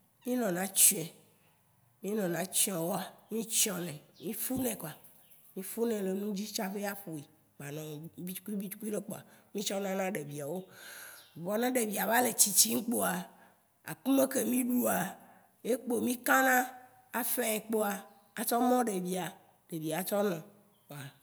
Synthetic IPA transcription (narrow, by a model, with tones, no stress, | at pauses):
mĩ˦nɔ̃˨nã˦t͡ʃu˦ɛ˨ | mĩ˦nɔ̃˨nã˦t͡ʃi˦ɔ̃˨wɔ˦a˨mĩ˦t͡ʃɔ̃˦nɛ̃˨mĩ˦fu˦nɛ̃˨ko˨a˨ | mĩ˦fu˦nɛ̃˨le˨nũ˦d͡ʑi˦t͡ʃa˦ɸe˦a˦ɸu˨i˨ | k͡pa˨nã˨i˦t͡ʃu̥˦ku˦i˦bi˦t͡ʃu̥˦ku˦i˦ɖe˦k͡po˨a̰˨mĩ˦t͡ʃɔ̃˦nã˦nã˦ɖe˨vi˨a˨wo˦ | vɔ˨nã˦ɖe˨vi˨a˨va˦le˨t͡ɕi˨t͡ɕi˦ŋ̩˦k͡po˦a˨ | a̰˨k͡pu˦me˦ke˨mĩ˦ɖu˦a˨ | e˦k͡po˨mĩ˦kã˦nã˦ | a˨fɛ˦ɛ˨k͡po˦a˨ | a˨t͡ʃɔ˦mɔ̃˦ɖe˨vi˨a˨ | ɖe˨vi˨a˨t͡ʃɔ˦nɔ̃˨ | a˨